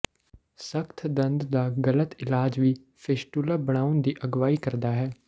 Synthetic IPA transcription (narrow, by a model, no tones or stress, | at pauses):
səkt̪ʰd̪ə̃nd̪d̪aːɡələt̪ɪlaːd͡ʒʋiː | pʰeʃʈulaːbəɽ̃aːʊnd̪iːʔəɡʋaːiːkəɾd̪aːɦɛː